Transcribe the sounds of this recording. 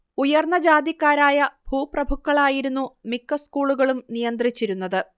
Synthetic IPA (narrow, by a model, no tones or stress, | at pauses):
ujɐrnɐd͡ʑaːd̪jikːaːɾaːjɐb̥ʱuːprɐbʱukːɐɭaːjiɾunːumikːɐskuːɭuɣɐɭumnijɐnd̪rit͡ɕːiɾunːɐðɨ